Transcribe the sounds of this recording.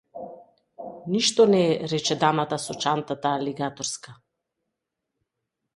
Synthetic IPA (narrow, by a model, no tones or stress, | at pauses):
niʃt̪ɔnɛɾɛt͡ʃɛd̪amat̪asɔt͡ʃant̪at̪aːliɡat̪ɔɾska